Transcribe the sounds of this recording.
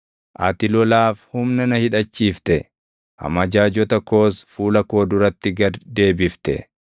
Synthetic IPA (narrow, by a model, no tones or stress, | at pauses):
ʔɐ̰t̪ɪlɔlaːfhʊmnɐnɐhɪᶑɐt͡ʃːiːft̪ɛ | ʔɐ̰mɐd͡ʒaːd͡ʒɔt̪ɐko̞ːsfuːlɐko̞ːd̪ʊɾɐt̪ːɪɡɐd̪e̞ːbɪft̪ɛ̰